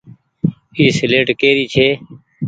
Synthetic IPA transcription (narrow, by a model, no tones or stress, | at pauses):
iːsɪleːʈkeːɾiːt͡ʃʰeː